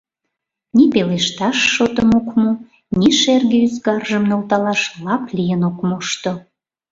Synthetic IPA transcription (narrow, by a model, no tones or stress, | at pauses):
nipeleʃt̪ɑʃːot̪ənokmu | niʃerɣeyzɡɑrʒəmnolt̪ɑlɑʃlɑplʲijənokmuʃt̪o